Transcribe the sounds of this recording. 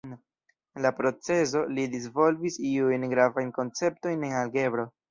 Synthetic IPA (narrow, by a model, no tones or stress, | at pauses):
lapɾo̞t͡se̞z̬o̞lidis̬vo̞lvisiujnɡɾavajnko̞nt͡se̞p̚to̞jne̞nalɡe̞bɾo̞